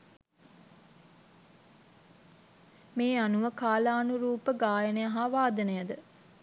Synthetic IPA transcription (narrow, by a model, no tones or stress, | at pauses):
meːanuʋəkaːlaːnuɾuːpəɡaːjənəjaɦaʋaːd̪ənəjəd̪ə